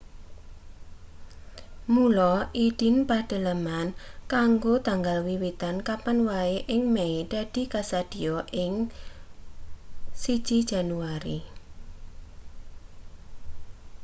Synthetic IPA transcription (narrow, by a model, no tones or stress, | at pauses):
mulɔʔiɖ̥ɪ̤npaɖ̥ə̤lamankaŋɡot̪aŋɡalwiwit̪ankapanwaeʔɪŋmeiɖ̥a̤ɖ̥i̤kasad̪̥i̤jɔʔɪŋ | sid̥ʒ̥id̥ʒ̥a̤nuaɾḭ